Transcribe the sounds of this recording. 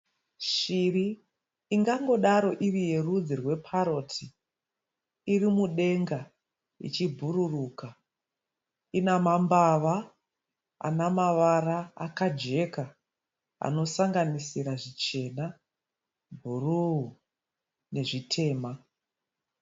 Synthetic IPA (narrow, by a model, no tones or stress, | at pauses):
ʃiriː | ŋɡaŋɡo̞ɗaɾo̞ʔirije̞rud͡zirwe̞pʰaɾo̞tʰi | irimuɗe̞ŋɡa | ḭt͡ʃibʱuɾuruka | inamambaʋa | a̰namaʋaɾa̰ːkad͡ʒe̞ka | a̰no̞saŋɡanisiɾaʐit͡ʃe̞na | bʱuruu | ne̞ʐitʰe̞ːma